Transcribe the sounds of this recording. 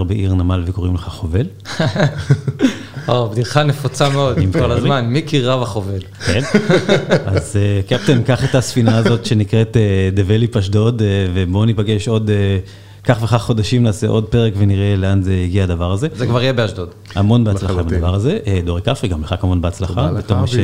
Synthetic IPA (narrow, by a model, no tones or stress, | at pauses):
ʁbeʔiʁnamalveko̞ʁimleχaχo̞ve̞l | obd̪iʁχanefot͡sameo̞d̪imkolazmanmikiʁavaχove̞lken | azekep̚t̪emkaχetasfinaːzo̞tʃe̞nikʁe̞t̪ed̪evelipaʃ̬do̞dvebo̞nipaɡe̞ʃo̞d̪e | kaχve̞χaχːo̞daʃimnaːsḛʔo̞d̪̚pe̞ʁekveniʁe̞leanzeiɡiaːd̪avaʁaze̞zekvaʁijebeaʃdod̪ | amo̞nbeat͡slaabad̪avaʁaze̞ʔed̪oʁekafʁikambeχakamo̞nbeat͡slaχabetoʁmaʃe